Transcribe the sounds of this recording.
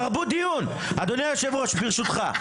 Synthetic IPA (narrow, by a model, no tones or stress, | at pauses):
ʁbut̪̚d̪ijun | ad̪onejoʃevʁaʃbiʁʃut̪χa